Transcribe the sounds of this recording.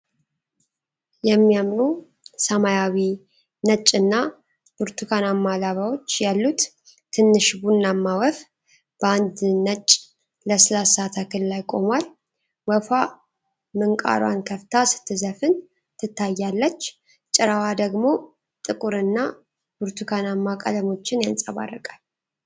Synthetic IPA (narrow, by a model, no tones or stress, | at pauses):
jɛmːijamnu | səmajawi | nət͡ʃʼːɨnːa | b̥uɾt̪ʰukʰanamːalaβawo̞t͡ʃːjalːut̪ | t̪ʰːɨnːɨʃbunːamːawəf | b̥əand̪nət͡ʃʼ | ləsɨlasat̪ʰakʰɨllajkʼo̞mwal | wəfa | mɨŋkʼa̰ɾwa̰nkʰəft̪ʰasɨ̥t̪ʰːɨzəfɨn | t̪ʰɨt̪ʰːajːalːət͡ʃː | t͡ʃʼɪɾawad̪əɡmo̞ | t̪ʼɨkʼuɾɨnːa | b̥uɾt̪ʰukʰanamːakʼə̰ləmo̞t͡ʃːɪnjansʼaβa̰rːəkʼal